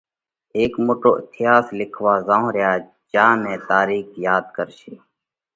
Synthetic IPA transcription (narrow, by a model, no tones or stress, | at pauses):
eːkmoːʈo̰ːʔɪ̰t̪ʰɪjaːslɪkʰʋaːzãːõːɾjaː | d͡ʒãːnɛ̃ːt̪aːɾiːkʰjaːd̪kəɾʃeː